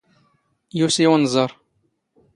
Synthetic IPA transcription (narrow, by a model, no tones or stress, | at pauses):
jusiwənzˤɑɾˤ